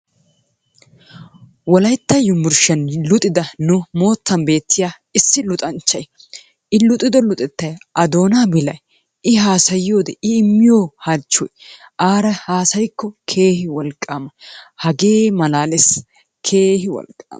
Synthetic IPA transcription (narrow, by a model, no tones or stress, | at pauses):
wɔlɐjt̪ːɐjʊmːʊɾʃɐnlʊt̪ʼɪd̪ɐnʊmo̞ːt̪ːɐnbe̞ːt̪ʰːɪjaː | ɪsːɪlʊt̪ʼɐnt͡ʃːɐj | ʔɪlʊt̪ʼɪd̪ɔlʊt̪ʼɛt̪ːɐjʔɐd̪o̞ːnaːbɪlɐj | ʔɪɦaːsɐjjo̞ːd̪ɛɪːmːɪjo̞ːhaːt͡ʃːɔjʔaːɾɐhaːsɐjkːɔkʰe̞ːhɪwɔlkʼːaːmɐhɐɡe̞ːmɐlaːlɛs | kʰe̞ːhɪwɔ̰lkʼːa̰ːmɐ